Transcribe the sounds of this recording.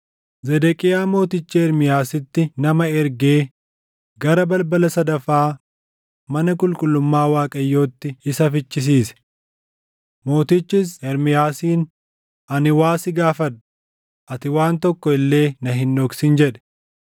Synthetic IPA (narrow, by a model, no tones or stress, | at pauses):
zɛd̪ɛkʼɪjaːmo̞ːt̪ɪt͡ʃːɛɛɾmɪjaːsɪt̪ːɪnɐmɐɛɾɡeː | ɡɐɾɐbɐlbɐlɐsɐd̪ɐfːaː | mɐnɐkʼʊlkʼʊlːʊmːaːwaːkʼɐjːo̞ːt̪ːɪɪsɐfɪt͡ʃːɪs̬iːsɛ̥ | mo̞ːt̪ɪt͡ʃːɪsɛɾmɪjaːsiːn | ʔɐnɪwaːsɪɡaːfɐᶑɐ̥ | ʔɐt̪ɪwaːnt̪ɔkːɔɪlːe̞ːnɐɦɪnːɔksɪnd͡ʒɛᶑɛ̥